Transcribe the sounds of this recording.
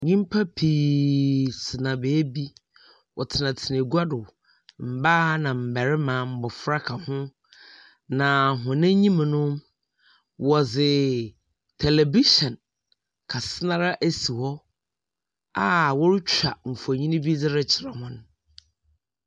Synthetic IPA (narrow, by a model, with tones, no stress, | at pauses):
ɲĩ˦m˦pʰa˦pʰiː˨ | sɪ˨nã˨beː˨˦bi˦ | wɔ˨tʰɪ˨nã˨tʰɪ˨ne˨ɡu˦a˦dʊ˨ | m̩˨ba˦nã˨m̩˨bæ˨ɾɪ˦mãː˨m̩˦bɔ˨fɾa˦kʰa˨hʊ̃˦ | nã˨ɦʊ̃˨nɪ̃˦ɲĩ˦m̃˨nʊ̃˦m | wɔ˨zɪ˨ | tʰɛ˨lɛ˨bi˦ʃɔ̃˨n | kʰa˨sɪ˦nã˦ɾa˦ʔæ˦si˨hɔ˦ | a˦˨wɔ˦ɾɪ˦t͡ɕʰᶣa˨m̩˨fɔ˨ɲĩ˦nɪ̃˦bi˦d͡zɪ˦ɾɛ˦t͡ɕʰɪ˨ɾa˨hʊ̃˦nʊ̃˦